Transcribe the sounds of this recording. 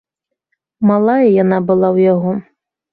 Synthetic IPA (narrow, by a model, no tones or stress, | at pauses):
malˠajɐjanabɨlˠawjaɣɔ